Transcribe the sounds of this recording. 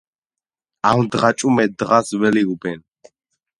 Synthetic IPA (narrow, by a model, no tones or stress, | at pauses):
amd̪ʁat͡ʃʼumɛd̪ʁasvɛliubɛn